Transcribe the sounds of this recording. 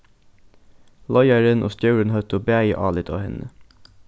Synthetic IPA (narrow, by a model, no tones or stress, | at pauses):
lɔʏæɹənʔo̰ːst̪jœʉɹənhœt̪ʊːbeæɪʔɑːlɪt̪ʰo̰ːhɛnə